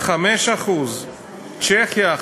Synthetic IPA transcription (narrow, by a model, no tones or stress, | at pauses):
χameʃaχuz | t͡ʃeχja